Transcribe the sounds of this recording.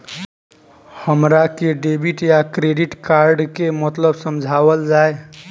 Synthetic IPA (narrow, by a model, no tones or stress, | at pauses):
həmɾakeɖebiʈjakɾeɖiʈkaɾɖkemət̪ləbsəmd͡ʒʱabəld͡ʒae